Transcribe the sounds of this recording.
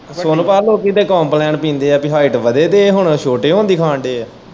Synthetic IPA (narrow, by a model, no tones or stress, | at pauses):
soːnpaːɾloːkit̪eːkɔːmplɛːɳpĩːnd̪eːɛːpɪɦaːɪʈʋəd̪eːt̪eːɦʊɳʃoːʈeːɦõːnd̪iːkʰãːɳɖeːɛː